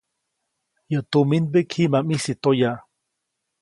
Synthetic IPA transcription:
jət̪uminbekʰimamisit̪oja

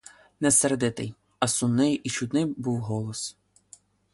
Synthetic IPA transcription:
nɛsɛrd̪ɪt̪ɪj | ɐsunnɪjʔit͡ʃud̪nɪjbuwɦɔlˠɔs

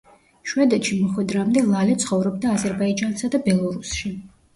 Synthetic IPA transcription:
ʃwɛd̪ɛt̪ʃimɔχwɛd̪ɾamd̪ɛlˠalɛt̪sʰχɔvɾɔbd̪aːzɛɾbaid͡ʒansad̪abɛlˠɔɾusʃi

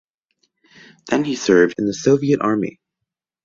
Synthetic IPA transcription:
ðɨ̃nisɜ˞vdɨ̃nðɨsoʊviɨɾʔɑɹmḭ

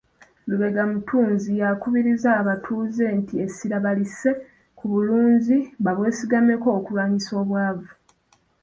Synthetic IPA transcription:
luβe̞ɡamutʰuːnzijakuβiɾizaːβatʰuːze̞ːntie̞siɾaβalise̞ | kʰuβuluːɲziβaβwe̞ːsiɡame̞ko̞ːkulwaːɲiso̞ːβwaːvu

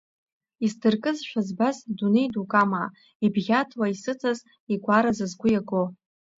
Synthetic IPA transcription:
isdɨrkʼɨzʃʷᶣazbazdunejdukʼama | ibɣʲatʰwaisɨt͡sʰʼaz | iɡʷaɾazɨzɡʷʊjaɡo

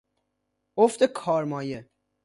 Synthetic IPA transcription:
oft̪ekʰɒːɾmɒːje

